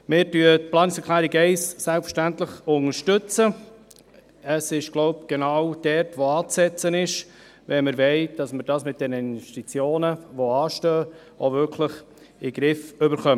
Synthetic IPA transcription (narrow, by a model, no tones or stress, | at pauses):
mɪːɾtyːət̚plˠɑːnɪksɛɾkʰlæːɾiɡɛɪssælpfə̥ʃtæntləχʊŋəɾʃtʏt͡sə | əsɪʃɡ̥loʊpɡ̥enawd̥ɛɾtʋoɑːt͡sɛt͡sənɪʃ | ʋɛnməɾvɛɪd̥ɑsməɾd̥ɑːsmɪt̚d̥ɛnəɪnvɛʃtit͡sjoːnəʋoɑːʃtøː | ʔovʏɾkʰləχ | ɪɡ̥ɾɪfʏbəɾχœmə